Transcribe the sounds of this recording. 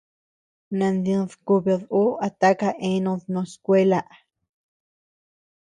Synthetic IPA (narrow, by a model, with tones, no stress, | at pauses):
nã˧nd̪ĩ˧ðku˧βe˧ðu˦a˧t̪a˦ka˧ʔẽ˦nõ˧ðnõ˧skʷe˦la˧ʔ